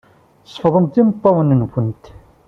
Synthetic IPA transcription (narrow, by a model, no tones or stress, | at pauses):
sˤːəfðˤəmt̪imət̪ˤːɑwənənkʷənt̪